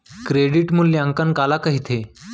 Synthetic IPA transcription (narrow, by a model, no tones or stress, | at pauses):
kɾeɽiʈmulːjãŋkankalakəɦit̪ʰe